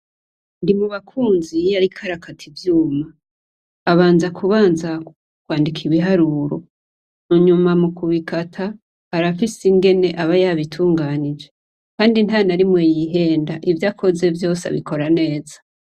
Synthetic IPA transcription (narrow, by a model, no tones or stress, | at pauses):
ndimuβakʰuːnzijaɾikʰaɾakʰatʰivjuːmaː | βaːnzakʰuβaːnza | kwaːndikʰiβiɦaɾuːɾo̞̰ | nuɲumamukuβikatʰa | haɾafisiŋɡe̞ne̞ʔaβajaβitʰuːŋɡaːnid͡ʒe̞ | kaːndin̥hanaɾimwejiɦe̞ːndaʔivjaːkʰo̞ze̞vjo̞ːsa̰βḭkʰo̞ɾane̞ːzḁ